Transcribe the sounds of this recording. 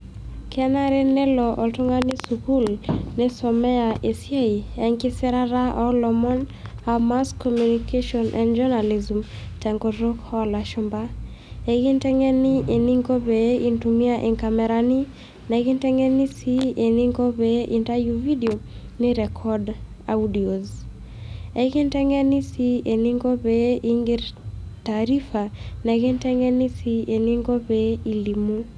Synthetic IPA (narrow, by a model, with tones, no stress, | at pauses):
kɛ˦na˦ɾenɛ˦lɔʔɔ˨ltu˦ŋa˦ni˦suku˦lnɪ˦sɔ˨mɛ˦a˨e˨sje˦i˨ɛ˨ŋkɪ˦sɛ˦ɾa˦ɾa˦ʔɔlɔmɔ˦n | ama˦skɔmjunikʰeʃɔnʔɛ̰̃ndd͡ʒɔ˦na˨li˨zm | tɛ˨ŋɡɔ˨ɾo˦khɔ˦la˨ʃumba˦ | e˨ɡi˦ntɛ˦ŋɛ˦ni˦ʔe˨ni˦ŋɡo˦bei˨ntumi˦aʔe˨ŋka˨mɛɾani˦ | nɛ˨ɡɪ˦ntɛ˦ŋɛ˦ni˦si˦e˨ni˦ŋɡo˦βeʔi˨nta˦juvi˦di˨o˨ | nɪ˦ɾɛ˨kʰɔ˦d | a˨udi˨o˨z | e˨ɡɪ˦ntɛ˦ŋɛ˦ni˦si˦e˨ni˦ŋɡo˦beʔi˦ŋɡɪ˦ɾtaɾi˦fa˨nɛ˨ɡɪ˦ntɛ˦ŋɛ˦ni˦sie˨ni˦ŋɡo˦bei˨li˨mu˦